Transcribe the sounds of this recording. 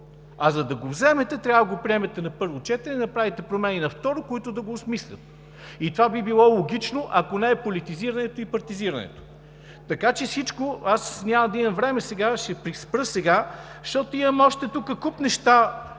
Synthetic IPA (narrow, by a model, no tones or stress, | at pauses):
ɐzɐd̪ɐɡovzɛmɛt̪ɛt̪ɾjavvɡopɾiɛmɛt̪ɛnɐpɤɾvot͡ʃɛt̪əɾɛnɐpɾavit̪ɛpɾomɛninɐft̪ɔɾokoit̪ʊd̪ɐɡosmislʲə̰t̪ | it̪ovabibilˠɔlˠoɡit͡ʃnoʔɐkonɛɛpolʲit̪iziɾɐnɛt̪oipɐɾt̪iziɾɐnɛ̰t̪o̥ | t̪ɐkat͡ʃɛsit͡ʃkoasnʲamɐd̪imɐvɾɛmɛsɛɡaʃɛpɾispɾɤsɛɡaʃt̪ɔt̪oimɐmɔʃt̪ɛt̪ukəkupnɛʃt̪a